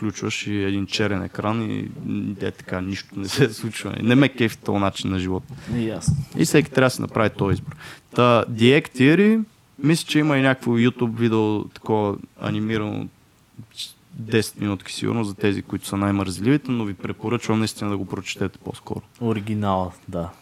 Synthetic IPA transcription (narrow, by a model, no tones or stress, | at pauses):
fklʲut͡ʃvəʃiɛd̪int͡ʃɛɾɛnɛ̰kɾanḭd̪ɛ̰t̪ɐ̥kaniʃt̪onɛsɛslˠut͡ʃvən̰ḭnɛmɛkɛfi̥t̪o̰lˠnat͡ʃinːɐʒivɔt̪jasḭfsɛkʲi̥t̪ɾʲaəsinʔɐ̰pɾavit̪ɔizboɾt̪əd̪iɛkt̪iəɾi | mislʲɛ̥t͡ʃɛimɐinʲakəkfojut̪ubvid̪ɛot̪ɐ̥kɔvɐɐ̰nimiɾɐno̰ | d̪ɛsɛ̥t̪minut̪ki̥sḭɡṵɾnozzɐt̪ɛzikʊit̪ʊ̥sənajməɾzlivit̪ɛnovipɾɛpoɾɤt͡ʃvɐmnɐist̪ʲinəd̪ɐɡopɾot͡ʃɛ̥t̪ɛt̪ɛ̥po̰skɔ̰ɾʊoɾiɡʲinalˠd̪a